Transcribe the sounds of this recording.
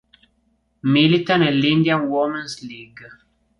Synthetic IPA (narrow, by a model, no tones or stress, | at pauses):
milit̪ãnelĩnd̪iãnwɔmə̃nsliɡ